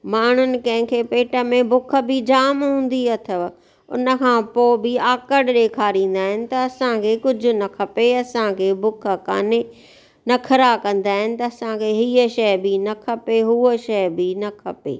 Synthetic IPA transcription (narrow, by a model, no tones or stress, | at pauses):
maːɳ̤ʊnɪ̆kɐ̃ɦɪ̃kʰeːpeːʈə̆mẽbʊkʰə̆bɪd͡ʑaːmɦũːn̆d̪iɐt̪ʰə | ʊ̰nə̆kʰãːpoːbɪaːkəɽɗeːkʰaːɾĩːn̆d̪aːɦɪnɪ̆t̪ɐɐsãkʰeːkʊd͡ʑʱʊ̆nɐkʰɐpeɐsãkʰeːbʊkʰə̆ka̰ːne | nɐkʰɐɾakɐ̃nd̪aːɦɪnɪ̆t̪ɐɐsãkʰeːɦiːəʃɐjbɪnɐkʰɐpeɦuːəʃɐjbɪnɐkʰɐ̰pḛː